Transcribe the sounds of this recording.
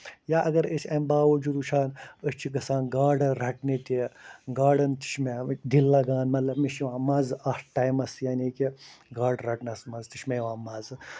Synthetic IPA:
jaːʔɐɡɐɾet͡ʃʰʲɐmbaːʋod͡ʒud̪uʃʰaːnəst͡ʃʰiɡɐsãːnɡaːɖɾɐʈnet̪eɡaːɖɐnt̪i̥ʃʰmed̪ilːaɡaːnmɐt̪lɐbmiʃiʋãːmaːzɐfʈaːjmɐsjaːnikiɡaːɖɾɐʈnɐsmɐzt̪iʃʲmeʋãːmaːz

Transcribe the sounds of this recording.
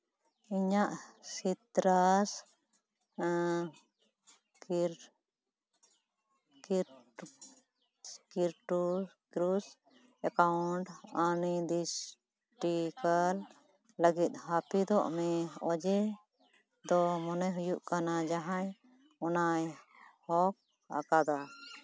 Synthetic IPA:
iɲaʔsit̪ɾas | kɾ | k | kiɾʈu | kɾus | ɛkauɳʈanid̪is | ʈikal | ləɡit̪̚hapid̪ɔʔmɛɔd͡ʒɛ | d̪ɔmɔnɔɦujuʔkanad͡ʒaɦãj | ɔnaj | hɔk̚ | a̰kad̪a

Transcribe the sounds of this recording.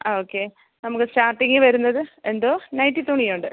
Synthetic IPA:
oːkːe̞ | nɐmukːɨsʈaːrʈːiŋɡɨʋɐɾunːɐðɨe̞nd̪oːnɐjnʈit̪oɳːijuɳɖɨ

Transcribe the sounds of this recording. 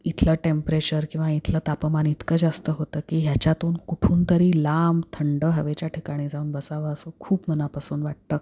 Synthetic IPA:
it̪ʰləːʈempɾet͡ɕəɾkĩw̃ʋait̪ʰləːt̪apəmanit̪kəd͡zast̪əɦot̪əːkiːɦjat͡ɕjat̪uːnkuʈʰuːnt̪əɾiːlamt̪ʰəɳɖəɦəʋet͡ɕjaʈʰikaɽ̃iːd͡zauːnbəsaʋəəsukʰuːbmənapasuːnʋaʈ̚t̪əː

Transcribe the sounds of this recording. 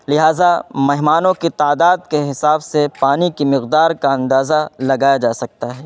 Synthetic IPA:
lɪɦaːzamɛɦmaːnõkit̪aːd̪aːd̪keɦɪsaːbsepaːnikimɪqd̪aːɾkaɐ̃nd̪aːzalɐɡaːjad͡ʒaːsɐk̚t̪aɦɛː

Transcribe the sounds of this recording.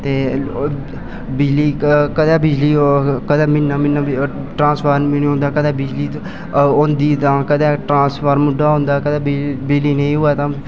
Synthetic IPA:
t̪eː | bɪd͡ʒliːkəd̪ɛːbɪd͡ʒliːkəd̪ɛːmɪnːaːmɪnːaː | ʈɾãːspəɾmnɦõːnd̪aːkəd̪ɛːbɪd͡ʒliː | ond̪iːt̪ãːkəd̪ɛːʈɾãːspʰəɾmʊɖːaːɦõːnd̪aːkəd̪ɛːbɪd͡ʒliːnẽĩːɦʊaːt̪ãː

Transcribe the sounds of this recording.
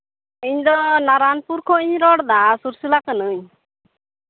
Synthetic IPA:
iɲd̪ɔnaɾanpuɾkʰɔiɲɾɔɽd̪asuɾsilakənɯɲ

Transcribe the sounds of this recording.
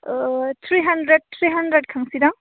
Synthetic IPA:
t̪ʰɾiɦɐndɾed̚tʰɾiɦandɾed̚kʰaŋsidaŋ

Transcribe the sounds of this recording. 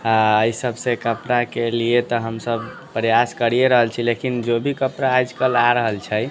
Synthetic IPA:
aəjsəbsẽkəpɾakeliet̪ɔɦəmsəb | pɾəjaskəɾijeɾəɦəlt͡ʃʰilekind͡ʒobʱikəpɾaːjd͡ʒkəlaɾəɦəlt͡ʃʰəj

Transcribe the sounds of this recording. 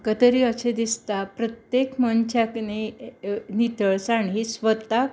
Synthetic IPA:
kət̪əɾiəɕed̪ist̪apɾət̪jekmənt͡ɕakne | nit̪əɭsaɳɦisʋət̪ːa

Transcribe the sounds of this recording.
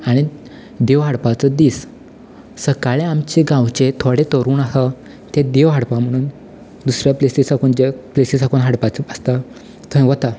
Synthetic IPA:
aɽ̃i | d̪eʋɦaɽpat͡səd̪iːs | səkaɭeamt͡ɕeɡãwt͡ɕet̪ʰoɽet̪əɾuːnaɦa | t̪ed̪eʋɦaɽpam̤əɽ̃uːn | d̪usɾjapleslisakuːnd͡ʑeplesisakuːnɦaɽpat͡səəst̪a | t̪ʰõẽʋət̪a

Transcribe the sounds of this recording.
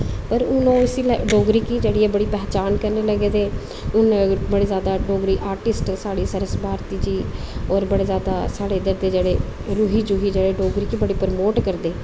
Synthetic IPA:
pəɾʊnõːɪsiːlɖoːɡɾiːkiːd͡ʒeːɽiːɛːbəɽiːpɛːt͡ʃaːnkəɾneːləɡeːd̪eː | ʊnbəɽeːzjaːd̪aːɖoːɡɾiːʔaːɾʈɪsʈsaːɽiːsəɾəsbaːɾt̪iːd͡ʒiː | ɔːɾbəɽeːzjaːd̪aːsaːɽeːd̪əɾd̪eːd͡ʒeːɽeː | ɾuɦiːd͡ʒuːɦiːd͡ʒeːɽeːɖoːɡɾiːkiːbəɽiːpəɾmoːʈkəɾd̪eː

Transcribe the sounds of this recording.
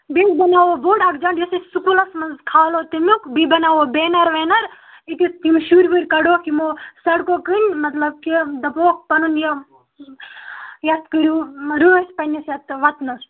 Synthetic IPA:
bitbɐnaːʋoboːɖɐkd͡ʒɐɳɖjɐsisukulɐsmɐnzkʰaːloːt̪imukbibɐnaːʋobeːnɐɾʋeːnɐɾ | it̪it̪imʃuːɾbɨɾʲkɐɽoːkimoːsɐɽkokɨnʲmɐt̪lɐb̚kid̪ɐpoːk̚pɐnunje | jɐt̪kɨɾuɾuːɐsʲpɐnʲisjɐt̪ʋɐt̪nɐs

